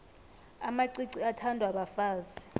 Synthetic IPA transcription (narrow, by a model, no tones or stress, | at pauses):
amaǀiǀiatʰandʱwaɓafaːzi